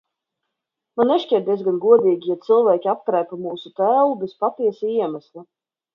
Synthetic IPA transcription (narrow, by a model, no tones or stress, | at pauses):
manːɛʃcʲɛɾ̚d̪iɛzɡanɡuɔd̪iːɡʲijat̪sɨlˠvæːkʲiap̚kɾæjpamuːsut̪æːwubɛspat̪iɛsiiɛmæslʲˠa